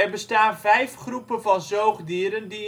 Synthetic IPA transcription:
ɛrbəstaːnvɛjfχrupənvɑnzowχdiːɾəndi

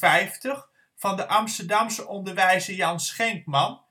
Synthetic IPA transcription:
ɛjftəχ | fɑndəʔɑmstəɹdɑmsəʔɔndəɹʋɛjzəjɑnsχɛŋkmɑn

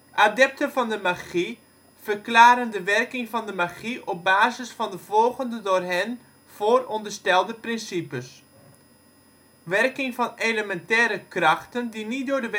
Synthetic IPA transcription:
ʔadɛp̚təvɑndəmaɣi | v̥ərklaːɾəndəʋɛrkɪŋvɑndəmaɣiʔɔp̚baːzəsfɑndəvɔlˠɣəndədʊːrɦɪn | v̥oːrɔndərstɛlˠdəprɪnsipəs | ʋɛrkɪŋvɑneləmɛntɛːɾəkrɑxtəndinit̚dʊːdəʋ

